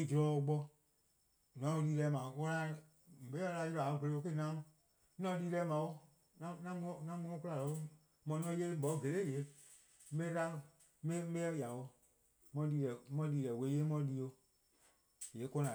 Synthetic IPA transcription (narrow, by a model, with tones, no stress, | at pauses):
i˧˨d͡ʒu˧ɾɔ˧˦o˧ɡ͡bɔ˧ | nɔ̃˨˦õ˧liː˧lɛ˧˨˦mãː˨wɔ̃˦la˧˦˨ | be˨˦a˧la˧˦ji˧ã˨˧˦be˧le˨˧˦o˧ke˦nã˨˦mɔ̃˧ | nɔ̃˧˦˧liː˧lɛ˧˦mã˨˦wo˦ | nã˦nã˦m˧˦nã˦mũ˧˦ɔ̃˦ku˦la˨lɔ˨˦ | mɔ̃˧˦nɔ̃˧˦jeː˦bɔ˨˦˨ɡe˨leː˦˨je˨˦ | m̩˦be˦ta˦˨˦ | e˦e˦ja˨wo˧ | mɔ̃˧˦liː˧lɛ˨mɔ̃˧˦liː˧ɾɛ˨we˨˦jeː˦mɔ̃˧˦liː˧˦o˧ | je˨˦kɔ̃˧nã˨